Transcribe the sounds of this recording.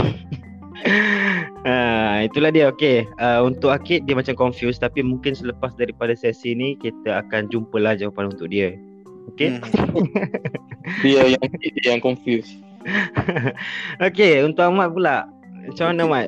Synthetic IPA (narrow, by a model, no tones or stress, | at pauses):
ait̪ulahdiəokeəunt̪ʊʔ̚akɪt̪̚diəmat͡ʃamkɔnfjust̪apimuŋkɪnsələpasdaɾipadasɛsinĩkit̪əakand͡ʒumpəlahd͡ʒawapanunt̪ʊk̚diə | oke | diəjaŋjaŋkɔnfjus | okeunt̪ʊʔamaʔ̚pulaʔ | at͡ʃamanəmaʔ